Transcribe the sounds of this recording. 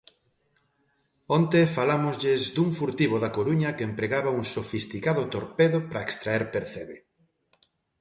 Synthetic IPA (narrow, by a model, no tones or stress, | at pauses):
ont̪efalamʊzʎɪzd̪uŋfuɾt̪iβ̞oðakoɾuɲɐkeempɾeɣaβɐuŋsofist̪ikaðʊt̪oɾpeðʊpɾɐekst̪ɾaɛɾpeɾθeβe